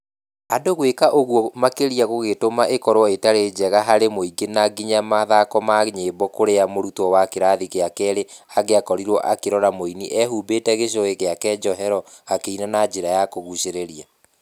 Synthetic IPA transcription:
adoɣwekaʔoɣwɔmakeɾiaɣoɣetomaʔekɔɾwɔetaɾed͡ʑɛɣaɦaɾemoiɡenaɡiɲamaðakɔmaɣɲebɔkoɾeamoɾutɔwakeɾaðikeakɛɾeaɣeakɔɾiɾwɔʔakeɾɔɾamoiniʔɛɦubetɛɣeɕ̬ɔeɣeakɛd͡ʒɔɦɛɾɔ | akeinanad͡ʒeɾajakoɣuɕeɾeɾia

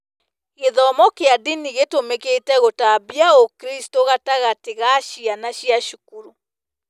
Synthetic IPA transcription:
ɣeðɔmɔkeadiniɣetomeketɛɣotabiaokɾistoɣataɣateɣaʃianaɕiaʃukuɾu

